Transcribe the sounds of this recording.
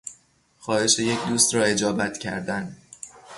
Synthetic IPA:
xɒːhe̞ʃe̞je̞cʰd̪uːst̪ɾɒːe̞d͡ʒɒːbæt̪ʰcʰæ̰ɾd̪æn

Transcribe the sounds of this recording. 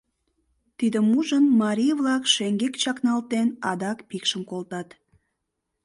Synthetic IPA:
t̪id̪əmuʒənmɑɾijβlɑkʃeŋɡekt͡ɕɑknɑlt̪enɑd̪ɑkpikʃəmkolt̪ɑt̪

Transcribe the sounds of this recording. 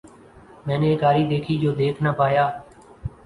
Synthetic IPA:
mɛ̃ːnẽːkaːɾiːd̪eːkʰiːd͡ʒoːd̪eːkʰnəpaːjaː

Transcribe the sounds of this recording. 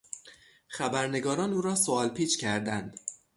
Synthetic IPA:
xæbæɾne̞ɡɒːɾɒːnuːɾɒːsoɒːlpʰiːt͡ʃʰcʰæɾd̪ænd̪̥

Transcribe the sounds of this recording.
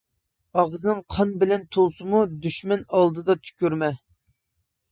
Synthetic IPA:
ɑʁznɨŋqʰɑnbɪlɛnt̪ʰolˠsɨmud̪yʃmɛnɑlˠd̪ɨd̪ɑt̪ʰy̥kʲyɾmɛ

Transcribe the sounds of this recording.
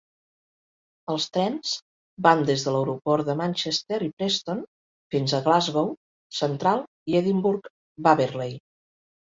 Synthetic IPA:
əlˠst̪ɾɛnz̥ | band̪ezðələwɾupɔɾd̪əmanʲt͡ʃest̪eɾipɾɛst̪on | finzəɣlazɣow | sənt̪ɾalˠ | ieðimbuɾk | baβeɾlej

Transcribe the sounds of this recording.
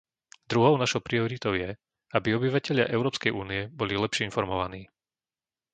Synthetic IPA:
d̪ɾuɦɔʊnaʃɔʊpɾiɔɾit̪ɔʊjɛ | abiɔbiʋacɛʎɪa̰ʔɛʊɾɔːpskɛjʔuːniɛbɔlilɛpʃɪɛinfɔɾmɔʋaniː

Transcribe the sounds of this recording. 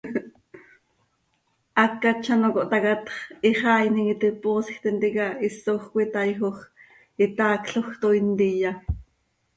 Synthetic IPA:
ʔɑkːat͡ʃʰɑnokoʔt̪ɑkat̪χiχɑːjniŋit̪ipoːsxt̪ɛnt̪ikaisoχkʷit̪ɑjxoχ | it̪ɑːkɬoxt̪oint̪ija

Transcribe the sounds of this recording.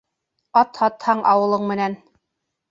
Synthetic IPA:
ɑt̪hɑt̪hɑɴʔɑ̰wɤ̆lˠɤɴmɘ̆næn

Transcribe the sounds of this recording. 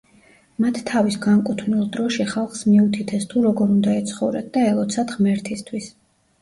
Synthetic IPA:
mat̪ʰːavisɡaŋkʼut̪ʰnilˠd̪ɾɔʃiχalˠχsmiut̪ʰit̪ʰɛst̪ʰuɾɔɡɔɾund̪aɛt̪sʰχɔvɾɛ̰d̪̚d̪aɛlˠɔt̪sʰad̪ʁmɛɾt̪ʰist̪ʰwis

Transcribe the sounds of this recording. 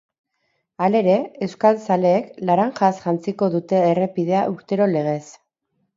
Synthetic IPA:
ale̞ɾe̞e̞wskalsale̞ːklaɾaŋʝasʝant͡siko̞ðut̪e̞ːre̞piðe̞aʔuɾt̪e̞ɾo̞le̞ɣ̞e̞s

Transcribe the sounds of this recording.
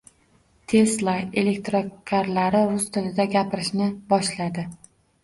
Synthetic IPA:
t̪ʰe̞slˠajele̞k̚t̪ɾokʲʰaɾlaɾɪɾʊst̪ʰɪlɪd̪aɡʲapʰɪɾɪʃnɪbɒʃlad̪ɪ

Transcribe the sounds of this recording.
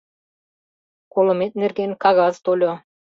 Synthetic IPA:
kolŏmet̪̚nerɡenkɑɣɑzt̪olʲo

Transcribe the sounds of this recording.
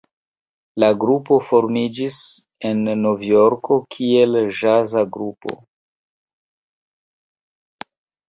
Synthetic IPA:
laɡɾupo̞fo̞ɾmid͡ʒis | e̞nːo̞vjo̞ɾkʰo̞kʰie̞lʒazaɡɾupo̞̰

